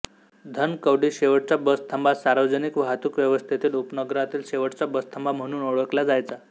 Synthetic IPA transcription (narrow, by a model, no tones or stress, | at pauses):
d̪ʱənkəʋɽiːɕeʋəɽt͡sabəst̪ʰəmbasaɾʋəd͡zənikʋɦat̪uːkʋjəʋəst̪ʰit̪iːlupnəɡɾat̪iːlɕeʋəʈt͡sabəst̪ʰəmbam̤əɽ̃uːnoɭəklad͡zajt͡sa